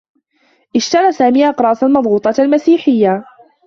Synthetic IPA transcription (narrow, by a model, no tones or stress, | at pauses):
ʔɪʃt̪ɑɾˤɑːsaːmiːʔɑqɾˤɑːsalmɑd̪ˤɣuːt̪ˤɑalmasiːħɪjːa